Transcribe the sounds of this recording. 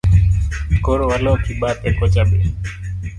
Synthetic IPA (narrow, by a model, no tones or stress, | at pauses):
koɽʋəlõːkʰiːɓaːt̪eːkoːt͡ʃaːɓeː